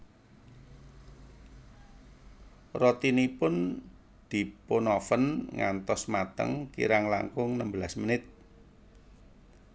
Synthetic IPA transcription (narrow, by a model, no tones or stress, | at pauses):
rɔt̪inipʊn | d̪̥i̤punɔfənŋa̰nt̪ɔsmat̪ə̰ŋkḭɾaŋla̰ŋkʊŋnəmbəlasmənɪt̪̚